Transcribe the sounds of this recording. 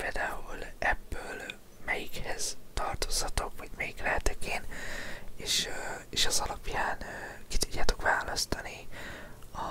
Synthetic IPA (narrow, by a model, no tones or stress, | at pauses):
peːld̪aːulɛbːøːl | mɛjikhɛz̥t̪ɒrt̪ozhɒt̪o̞kʋɒɟmɛjiklɛɛt̪ɛkeːn | eːʃeːʃɛzɒlɒpjaːnkit̪udɟːaːt̪o̞̥kʋaːlɒst̪ɒni | ɒ